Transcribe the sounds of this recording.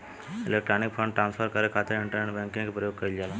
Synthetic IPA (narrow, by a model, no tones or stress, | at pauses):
ɪleːk̚ʈɾaːnɪk̚pʰəɳɖʈɾãːnspʰəɾkəɾekʰaːt̪ɪɾɦɪ̃ɳʈəɾəɳbɛ̃ŋkɪ̃ŋkepɾəjoːɡ̚kɐild͡ʒaːlã